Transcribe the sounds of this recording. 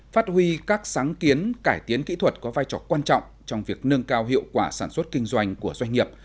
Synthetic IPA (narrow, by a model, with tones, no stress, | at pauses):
faː˦˥t̚hwi˧kaː˦˥k̚saː˨˦ŋki˨˦ənkaː˧˩jt̪i˨˦ənkḭ˧˥t̪ʰwə˨˩t̚kɔ˨˦vaː˧jt͡ɕɔː˧˩kwaː˧nt͡ɕɔ̰˧˨wŋ͡m | t͡ɕɔ˧wŋ͡mvi˨˩ək̚nɨ˧əŋkaː˧wɦḭ˧˨əwkwaː˧˩saː˧˩nswə˦˥t̚kï˧ŋ̟zwa˧jŋ̟ku˧˩əzwa˧jŋ̟ŋi˨˩əp̚